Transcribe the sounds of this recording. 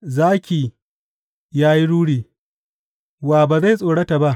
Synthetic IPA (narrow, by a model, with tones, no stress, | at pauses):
zaː˦kʲiː˨ | jaː˦ji˦ɽuː˦ɽiː˨ | waː˨baː˨za˦˨jsʼoː˨ɽɐ˦ta˨ba˦ʔ